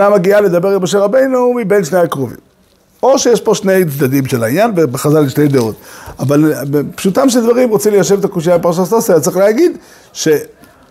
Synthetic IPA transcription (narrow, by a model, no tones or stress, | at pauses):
amaɡiale̞d̪abe̞ʁilmo̞ʃe̞ʁabe̞jnumibe̞nʃnejakʁovḭm | o̞ʃejeʃpo̞ʃne̞jt͡sd̪ad̪imʃelainjanvebeχazaliʃne̞jd̪eo̞t̪avalpʃut̪amʃ̬ed̪vaʁimʁot͡simlejaʃ̬evet̪akuʃijabepaʁaʃ̬atst̪asajat͡sʁiχleaɡid̪ | ʃe̞